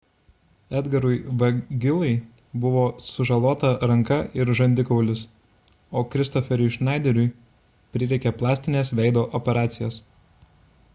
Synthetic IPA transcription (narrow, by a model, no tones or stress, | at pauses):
ɛd̪ɡɐɾʊɪʋɐɡʲɪlˠɐɪ | bʊʋoːsʊʒɐlˠoːt̪ɐɾɐŋkɐɪɾʒɐnʲd̪ʲɪkɔʊlʲɪs | oːkɾʲɪst̪ɔfʲɛɾʲʊɪʃnɑˑɪd̪ʲɛɾʲʊɪ | pʲɾʲɪɾʲɛɪkʲɛplˠɑːsʲt̪ʲɪnʲeːsʋʲɛɪd̪oːʔɔpʲɛɾɑːt̪sʲɪjoːs